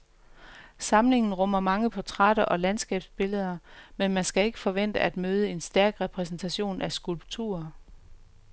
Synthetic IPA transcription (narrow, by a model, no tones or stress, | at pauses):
sɑ̈mle̝ŋn̩ʁɔ̽m̰ɐmɑ̈ŋəpʰɒt͡sʰʁɑɾ̥ɐʔɒ̽lænsɡ̥ɛ̰ːb̥sb̥e̝ləð̞ˠɐmenmænsɡ̥æe̝ɡ̥əfɒ̽ʋen̰d̥əæd̥møːð̞ˠəe̝nsd̥æɐɡ̥ʁɛpʰʁɛs̬n̩t͡sʰæɕo̝̰ːnʔæsɡ̥ulb̥t͡sʰṵːɐ